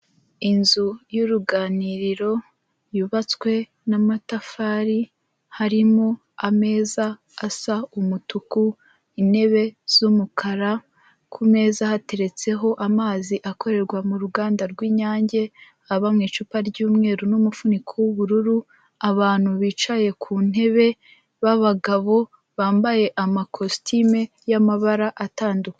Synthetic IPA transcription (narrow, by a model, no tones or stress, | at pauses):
inzujuɾuɡaːniɾiɾo̞ | juβat͡swe̞ | namatafaːɾi | haɾimo | ame̞ːzaː | saumutuku | ine̞βe̞z̥umukʰaɾa | kʰume̞ːzahate̞ɾe̞t͡se̞ɦo̞ʔamaːziʔako̞ɾe̞ɾɡwamuɾuɡaːndaɾɡwiːɲaːɲɟe̞ | aβamŋiːt͡ʃupaɾɟuːmŋe̞ːɾunumufunikʰowuβuɾuɾu | aβaːn̥huβiːt͡ʃaje̞kʰuːn̥e̞βe̞ | βaβaɡaβo̞ | βaːmbaje̞ʔamakʰo̞stʰime | jamaβaɾaʔataːnduke̥